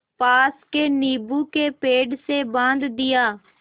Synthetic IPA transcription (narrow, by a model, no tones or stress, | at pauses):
paːskeːniːbuːkeːpeːɖseːbãːnd̪d̪ɪjaː